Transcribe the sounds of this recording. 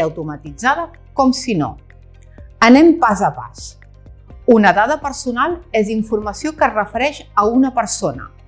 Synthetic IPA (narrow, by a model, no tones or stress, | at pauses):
əwt̪umət̪id͡zað̞ə | kɔmsino̰ | ənɛmpazəpa̰s | unəðaðəpəɾsunalˠeziɱfurməsiokərəfəɾɛʃəunəpəɾsonə̰